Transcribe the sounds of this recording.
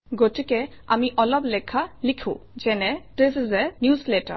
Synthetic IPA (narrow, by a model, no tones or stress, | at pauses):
ɡoʈikɛ | amiʔɔlɔblɛkʰalikʰṵ̃d͡ʒɛnɛʈeszɛnjusleʈə̰